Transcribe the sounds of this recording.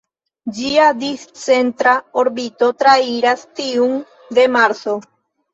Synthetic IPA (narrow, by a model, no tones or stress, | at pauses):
d͡ʒiad̪issent̪ɾaoɾbit̪ot̪ɾaiɾast̪iuŋ | d̪emaɾso